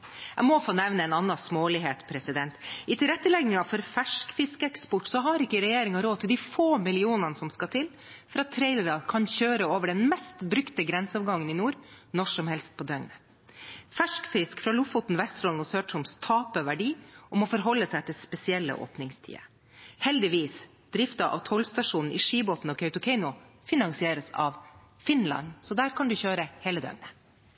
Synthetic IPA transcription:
æmɔfoːnɛʋnəɛːnɑnːɑsmoːlɪɦeːt̪pʰɾɛsɪd̪ɛnt̪ɪt̪ʰɪlɾɛt̪ːəlɛɡnɪŋɑfɔɾfæʂkfɪskəɛkspɔʈsɔɦɑɾɪkːəɾɛjeːɾɪŋɑɾoːt̪ʰɪld̪ɪfoːmɪlɪuːnɑnəsɔmskɑt̪ʰɪl | fɔɾɑt̪ʰːɾɛɪləɾɑkʰɑnçøːɾəoːʋəɖɛnmɛst̪bɾʉkt̪əɡɾɛnsəɑːʋɡɑŋːənɪnuːɾnɔʂɔmhɛlst̪̚pʰɔd̪œnnə | fæʂkfɾɪskfɾɑːlʊfʊt̪n̩ʋɛst̪ɾɔlnɔsøːʈʰʊmst̪ʰɑːpəʋæɖiːɔmɔfɔɾɦɔlːəsæɪt̪ʰɪlspɛsɪɛlːə̰ʔo̰ːpnɪŋst̪ʰḭːə̰ | hɛld̪ɪʋiːs | d̪̥ɾɪft̪ɑʔɑ̰ʋt̪ʰɔlst̪ɑʂuːnn̩ʔḭːʂiːboːt̪n̩ɔːkʰɑʉt̪ʊkʰɛɪnʊfɪnɑŋsɪeːɾəsɑ̰ʋ | fɪnlɑ̰nsɔd̪æːɾkʰɑnd̪ʉçøːɾəheːləd̪œ̰nə

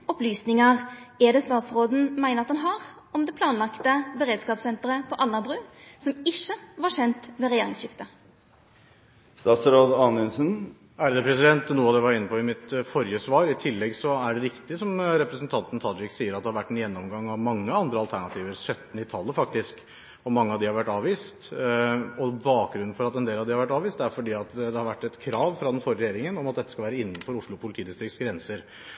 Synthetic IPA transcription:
ɔplyːsnɪŋəʁɛd̪ɛːst̪ɑːt̪sɾoːd̪n̩mæɪnəɾɑt̪ɑnɦɑːʁ | ɔmd̪ɛpʰlɑːnlɑkt̪əbəɾeːd̪skɑːpsɛnt̪əɾəpʰɔʔɑlnɑbʁʉːsɔmɪʃːəʋɑʂɛnt̪ʋeɾɛjeːɾɪŋsɕɪft̪ə | st̪ɑːt̪sɾoːd̪ɑːnʉnsən | æɾd̪əpʰɾɛsɪd̪ɛnt̪nuːɑd̪ɛʋɑɾɪnːəpʰɔɪmɪt̪fɔɾjəsʋɑːɾɪt̪ʰɪlːɛɡsɔæɖɛɾɪkt̪ɪsɔmɾɛpɾəsənt̪ʰɑnt̪n̩t̪ʰɑd͡ʒɪksiːəɾɑt̪̚d̪ɛhɑɾʋæʈːɛnjɛnːɔmɡɑŋːɑʋmɑŋːəɑnd̪ɾəɑlt̪ʰæɳɑt̪ʰiːʋəɾsœt̪ːnɪt̪ʰɑlːəfɑk̚t̪ɪsk | ɔmɑŋːəɑʋd̪ɪhɑɾʋæʈːɑːʋiːst̪ | ɔbɑːk̚ɡɾʉnːn̩fɔɾɑt̪ɛnd̪eːlɑʋd̪ɪhɑɾʋæʈ̬ːɑːʋiːst̪æɾfɔɖiːɑt̪d̪ɛhɑɾʋæʈːɛt̪kʰɾɑːʋfɾɑd̪ɛnfɔɾəɾɛjeːɾɪŋənɔmɑt̪d̪ɛt̪ːəskɑlʋæːɾəɪnːnfɔɾʊʂɭʊpʰʊlɪt̪ʰiːd̪ɪst̪ɾɪkt̪sɡɾɛnsəɾ

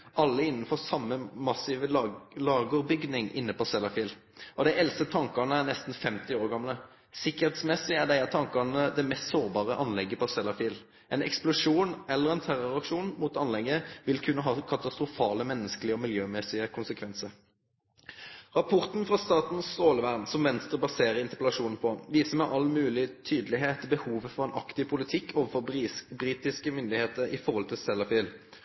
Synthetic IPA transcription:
ʔɑlːəɪnːn̩fɔʁsɑmːəmɑsiːʋəlɑːɡəʁbʏɡd̪ɪŋʔɪ̰nːəpɔsɛlɑfiːl | ɔd̪æɪɛlsət̪ʰɑŋkɑnəænɛst̪n̩fɛmt̪ɪoːɾɡɑmlə | sɪkːəʁhɛeːt̪smɛsɪæɖ̪æɪæt̪ʰɑŋkɑnəd̪ɛmɛst̪soːʁbɑːʁəʔɑnlɛɡːəpɔsɛlːɑfiːl | ʔɛnɛ̰ksplʊʂuːnɛlːəʁɛnt̪ʰæʁɔʁɑkʂuːnmut̪ɑnlɛɡːəʋɪlkʰʉnːəɦɑːkʰɑt̪ɑst̪ʁʊfɑːləmɛnːəskəlɪəɔmɪljøːmɛsɪəkʰʊnsəkʰʋɛnsəʁ | ʁɑpʰɔʁt̪n̩fʁɑst̪ɑːt̪n̩ssoːləʋæʁnsɔmʋɛnst̪ʁəbɑseːʁəʁɪnt̪əʁpɛlɑʂuːnn̩pʰɔʋiːsəmɛʔɑlmʉːlɪt̪ʰyːd̪əlɪɦeːt̪ɪbəhuːʋəfɔʁɛnʔɑ̰kt̪ɪʋpʰʊlɪt̪ʰɪkːʰoːʋəfɔʁbʁiːt̪ɪskəmʏnd̪ɪheːt̪əɾɪfɔʁhɔlt̪ʰɪlsɛlːɑfiːl

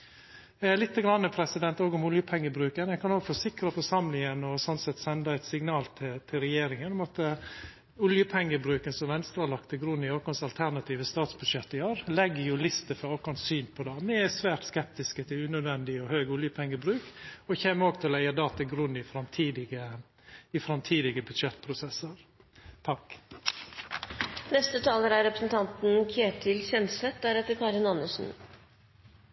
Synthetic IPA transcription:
lɪt̪ːəɡɾɑnːəpʰɾɛsɪd̪ɛnt̪oːɡʊmʊljəpʰɛŋːəbɾʉːkənɛkʰɑnoːɡfɔsɪkɾɑfɔʂɑmlɪŋənɔsɔnsɛt̪ːsɛnd̪ɑɛɪt̪sɪŋnɑːlt̪ʰɪt̪ʰɪlɾɛjeːɾɪŋənɔmɑt̪ə | ʊljəpʰɛŋːəbɾʉːkənsɔmʋɛnst̪ɾɑlɑkt̪ʰɪlɡɾʉnːɪɑːkɔnsɑlt̪ʰæɾnɑt̪ʰiːʋəst̪ɑːt̪sbʉd̪ʃɛt̪ːɪɑːɾlɛɡːəjʊlɪst̪əfɾɑoːkɔnsyːnpʰɔd̪ɑːnɛɛsʋæːɾt̪skɛp̚t̪ɪskət̪ʰɪlʉnœd̪ʋɛnd̪ɪɔhøːɡʊljəpʰɛŋːəbɾʉːkɔçeːməoːɡ̚t̪ɪlæɪɑd̪ɑːt̪ʰɪlɡɾʉnːɪfɾɑmt̪ʰiːd̪ɪɡə | ɪfɾɑmt̪ʰiːd̪ɪɡəbʉd̪ʃɛt̪ːpʰɾʊsɛsəɾ | t̪ʰɑk | nɛst̪ət̪ʰɑːləɾæɾɛpɾəsnt̪ʰɑnt̪n̩kʰeːt̪ʰɪlçɛnsɛt̪̚d̪æɾɛt̪ːəɾkʰɑːɾɪnɑnːəsn̩

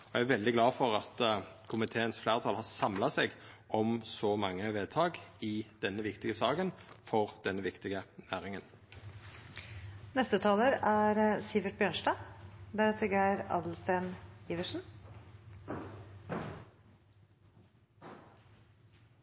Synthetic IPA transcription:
ɔjææʋɛld̪ɪɡlɑːfɔɾɑt̪kʰʊmɪt̪ʰeːənsflæːʁət̪ʰɑlhɑːʁsɑmlɑseːɡʔɔmsɔmɑŋːəʋeːd̪̚t̪ʰɑːɡɪd̪̥ɛnːəʋɪkt̪ɪɡəsɑːɡənfɔʁd̪̥ɛnːəʋɪkt̪ɪɡənæːɾɪŋən | nɛst̪ət̪ʰɑːləɾæɾsɪʋəʈ̪̚bjøːɳʂɖɑːd̪æɾɛt̪ʰəɡæɾɑ̰ːd̪lst̪eːniːʋəʂn̩

